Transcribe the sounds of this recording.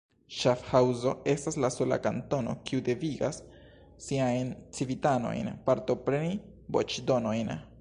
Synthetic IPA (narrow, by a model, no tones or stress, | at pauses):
ʃafhawzo̞e̞staslaso̞la̰kanto̞no̞̰kiude̞viɡa̰sː | iajnt͡sivitano̞̰jnpaɾto̞pɾe̞ni | bo̞̰t͡ʃdo̞no̞jn